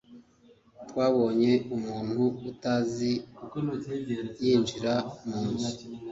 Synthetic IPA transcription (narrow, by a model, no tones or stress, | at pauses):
twaːβo̞ːɲe̞umuːn̥huutazi | jiːnd͡ʒiɾamuːni